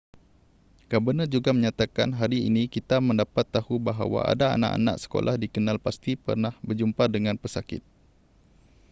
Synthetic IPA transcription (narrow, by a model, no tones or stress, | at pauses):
kabənəd͡ʒuɡaməɲat̪akanɦaɾiḭnĩkit̪amə̃ndapat̪ːahubaɦa̰wa̰ʔa̰daa̰na̰ʔa̰na̰ʔsə̥ko̰lʔahdikənalpast̪ipə̰rnahbərd͡ʒumpadəŋãnpəsakɪ̰t̪̚